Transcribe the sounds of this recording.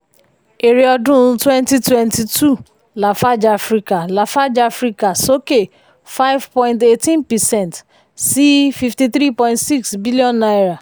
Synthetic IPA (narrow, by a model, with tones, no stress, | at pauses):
e˨ɾe˨ɔ˧dũ˦˧˦twɛ˦nti˦twɛ̃˧nti˨tu˦˨ | la˨fa˦d͡ʒa˨a˨fɾi˧ka˨la˨fa˦d͡ʒa˨fɾi˧ka˨so˦ke˦˨ | fa˦jvpɔ̃˦jĩnte˦tĩ˦npɛ˨sɛ̃˦˨nt | si˦fi˧fti˧θɾi˦˨pɔ̃˧j̃ntsi˦ksbi˦li˦ɔ̃˦˨nːa˦ɾa˨